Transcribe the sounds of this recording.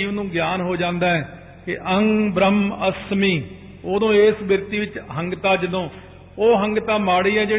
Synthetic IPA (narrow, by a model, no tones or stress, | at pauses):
iːʋnũːɡjaːnɦoːd͡ʒãːnd̪aːɛː | kɪʔəŋɡbɾəməsmiː | oːd̪õːeːsbɪɾt̪iːʋɪt͡ʃɦəŋɡt̪aːd͡ʒɪd̪õː | oːɦəŋɡt̪aːmaːɽiːɛːd͡ʒeː